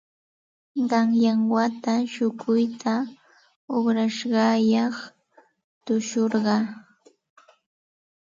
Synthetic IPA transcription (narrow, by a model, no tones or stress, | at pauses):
ɢɑŋjaŋwat̪aʃʊkʊjt̪ʰa | ʊbɾaʃɢɑjɑχ | t̪ʊʃoɾɢɑ